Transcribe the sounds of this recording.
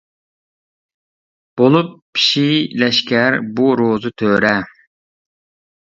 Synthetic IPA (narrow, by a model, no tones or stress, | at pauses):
b̥olˠupːʰ | i̥ʃilɛʃkʲæɾbuɾozɨt̪ʰøːɾɛ